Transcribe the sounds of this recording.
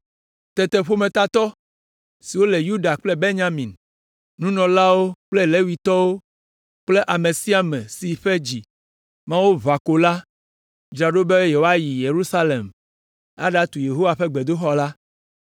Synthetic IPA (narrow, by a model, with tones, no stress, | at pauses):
t̪ɛ˨t̪e˨ɸo˦mẽ˨t̪a˦t̪ɔ˦ | si˨wo˦le˨ju˦da˨k͡plɛ˦be˦ɲã˦mĩ˨n | nũ˦nɔ̃˨la˦wo˦k͡ple˦le˦wi˨t̪ɔ˦wo˦ | k͡ple˦ʔa˨mẽ˨si˦a˨mɛ̃˨si˨ɸe˦d͡ʑi˨ | mã˦wo˦va˨ko˨la˦ | d͡ʒɾa˨ɖo˦be˦je˨wo˦a˦ji˨je˨ɾu˦sa˦le˨m | a̰˦ɖa˦t̪u˨je˨ɦo˦wa˨ɸe˦ɡ͡be˨d̪o˦xɔ˦la˦